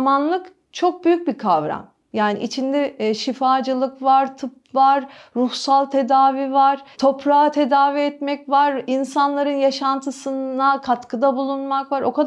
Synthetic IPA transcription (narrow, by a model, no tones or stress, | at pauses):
manlˠɯk | t͡ʃʰo̞k̚byjyc̚bikʰavɾa̰m | jaːnḭʔit͡ʃʰind̪ɛʃifaːd͡ʒɯlˠɯkvaɾt̪ʰɯp̚vaɾːuhsalˠt̪ʰe̞d̪aːvivaɾ̥t̪ʰo̞pɾaat̪ʰe̞d̪aːviɛt̪mɛcvaɾinsanlˠaɾɯnjaʃant̪ʰɯsɯnakʰat̪kʰɯd̪abulˠunmakvaɾo̞kʰad̪